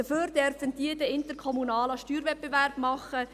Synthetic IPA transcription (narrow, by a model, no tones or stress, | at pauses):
əføːɾd̥ɛɾfənd̥iədəɪntəɾkʰɔmunɑːlɑʃtyːɾvɛt̚b̥eværb̥mɑχə